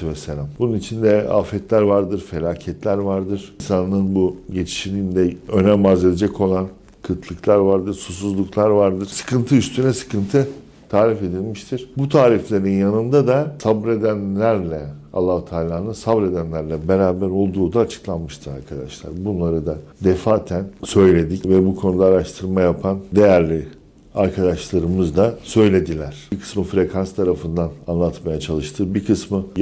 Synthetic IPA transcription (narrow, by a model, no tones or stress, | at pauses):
vɛselʲambununit͡ʃʰind̪ɛa̰ːfɛt̪lʲæɾvaɾd̪ɯɾfe̞lʲaːcʰɛt̪ʰlʲæɾvaɾd̪ɯɾ̥nsanːˠɯnbuɟe̞t͡ʃʰi̥ʃilʲind̪ɛønɛmbaze̞d̪ed͡ʒɛcʰo̞lˠan | kʰɯt̪ʰlˠɯklˠaɾvaɾd̪ɯɾsusuzlˠuklˠaɾvaɾd̪ɯɾ̥sɯ̥kɯnt̪ʰɯyst̪ʰynɛsɯ̥kɯnt̪ʰɯ | t̪ʰaːɾife̞d̪ilʲmiʃt̪ʰiɾ̥but̪ʰaːɾiflʲe̞ɾinjanɯnd̪ad̪asabɾe̞d̪ænlʲæɾlʲɛa̰lˠːahut̪ʰaːlʲaːnɯnsabɾe̞d̪ænlʲæɾlʲɛbeɾaːbæɾo̞lˠd̪uːd̪aːt͡ʃʰɯ̥klˠanmɯʃt̪ʰɯɾa̰ɾkʰad̪aʃlˠa̰ɾbunlˠaɾɯd̪ad̪efaːt̪ʰænsø̞jlʲe̞d̪icvɛbukʰo̞nud̪aːɾaʃt̪ʰɯɾmajapʰand̪e̞jæɾlʲi | aɾkʰad̪aʃlˠaɾɯmɯzd̪asø̞jlʲe̞d̪ilʲæɾ̥ikʰɯ̥smɯfɾe̞kʰanst̪ʰaɾafɯnd̪ananlˠat̪majat͡ʃʰalˠɯʃt̪ʰɯbikʰɯsmɯ